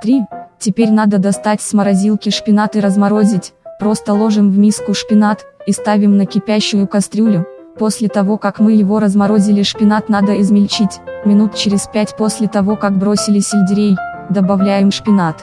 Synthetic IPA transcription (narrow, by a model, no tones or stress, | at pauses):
t̪ɾʲitʲɪpʲeɾʲnad̪əd̪ɐst̪atʲsʲməɾɐzʲilˠkʲɪʂpʲɪnat̪ɨɾəzmɐɾo̞zʲɪtʲpɾo̞st̪əlˠo̞ʐɨmvmʲiskʊʂpʲɪnat̪ist̪avʲɪmnəkʲɪpʲæɕːʊjʊkɐst̪ɾʲulʲʊ | po̞sʲlʲɪt̪ɐvo̞kakmɨjɪvo̞ɾəzmɐɾo̞zʲɪlʲɪʂpʲɪnat̪nad̪əɪzmʲɪlʲt͡ɕitʲmʲɪnut̪t͡ɕɪɾʲɪspʲætʲpo̞sʲlʲɪt̪ɐvo̞kakbɾo̞sʲɪlʲɪsʲɪlʲdʲɪɾʲejd̪əbɐvlʲæjɪmʂpʲɪnat̪